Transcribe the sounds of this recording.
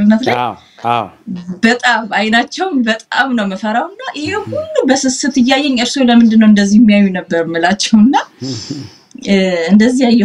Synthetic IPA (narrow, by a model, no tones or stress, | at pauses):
ɨnːət̪la | bət̪ʼamajnat͡ʃːɛwnbət̪ʼa̰mnəwməfəɾawɨnːaʔɨjɛhulːubəsɨsɨt̪ɨjːajːɛɲɨɾso̞ləmɨnd̪ɨnːəwɨnd̪əzːihmːijajːunəbːəɾɨmːɨlat͡ʃːɛwɨnːa | ɨnd̪əzːihajːɛ